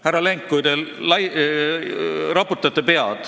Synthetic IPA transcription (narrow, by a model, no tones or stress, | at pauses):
hærɾːɑleŋkːujd̪̥ellɑj | ɾɑput̪ːˑɑt̪ːˑepe̞ɑd̪̥